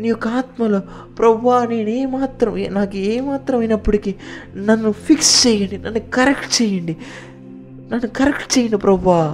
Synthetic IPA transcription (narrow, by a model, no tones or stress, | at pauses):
niukaːt̪mɐlɐ | pɾɐʋaːneːneːmaːt̪ɾɐmnaːɡieːmaːt̪ɾɐminːɐpːuɽikinɐnːupikst͡ʃeːjɐɳɖinɐnːuɡkɐɾɛkʈt͡ʃɛːjɐɳɖi | nɐnːukɐɾɛkʈt͡ʃeɛːjɐɳɖipɾɐʋaː